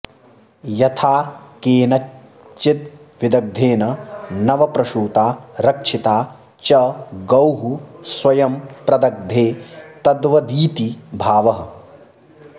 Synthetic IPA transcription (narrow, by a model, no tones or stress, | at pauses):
jɐt̪ʰaːkeːnɐ | t͡ʃːit̪̚ | ʋɪd̪ɐɡ̚d̪ʱeːnɐnɐʋɐpɾɐʃuːt̪aːɾɐkʂit̪aː | t͡ʃɐɡɐwɦusʋɐjɐmpɾɐd̪ɐɡ̚d̪ʱeːt̪ɐd̪ʋɐd̪iːt̪ibʱaːʋɐɦɐ̆